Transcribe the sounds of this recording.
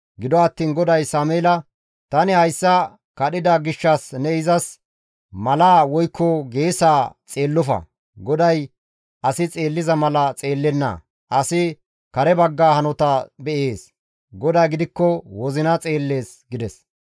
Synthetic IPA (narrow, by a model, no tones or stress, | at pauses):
ɡɪd̪ɔɐt̪ːiːnɡɔd̪ɐjsaːmeːlɐ | t̪ɐnɪhɐjsːɐ | kɐɗɪd̪ɐɡɪʃːɐsnɛɪzɐs | mɐlaːwɔjkʰːɔɡeːsaːt͡sʼeːlːɔfɐ̰ | ɡɔd̪ɐj | ʔɐsɪt͡sʼe̞ːlːɪzɐmɐlɐt͡sʼe̞ːlːɛnːɐ̰ | ʔɐsɪ | kɐɾɛbɐɡːaːhɐnɔt̪ɐbɛʔe̞ːs | ɡɔd̪ɐːɡɪd̪ɪkːɔwɔzɪnɐt͡sʼe̞ːlːe̞ːs | ɡɪd̪ɛs